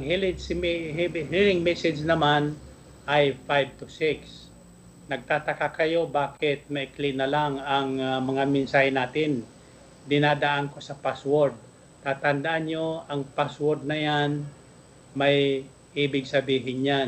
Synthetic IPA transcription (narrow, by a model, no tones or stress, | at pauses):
ɐŋɦilɪsmɦilɪŋmɛsɪd͡ʒnɐman | ʔajfajb̚t̪ʊsɪks | nɐɡ̚t̪aːt̪ɐkakɐjo̞baːkɪt̪̚mɐʔɪklɪʔnɐlaŋɐŋmɐŋamɪnsaːhɪnaːt̪ɪn | d̪ɪnaːd̪ɐʔanko̞sɐpaswoɹd̪̚ | t̪aːt̪ɐnd̪ɐʔanɲoɐŋpaswɔɾd̪̚nɐjan | mɐj | ʔiːbɪɡ̚sɐbiːɦɪnjan